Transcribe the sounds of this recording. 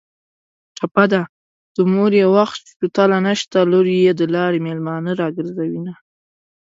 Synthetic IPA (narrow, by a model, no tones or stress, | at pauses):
ʈ͡ʂʰapad̪a | d̪̥əmoɾjewaxpit̪alanaʃt̪aloɾijed̪əlɑɾemelmɑnəɾɑɡəɾzawina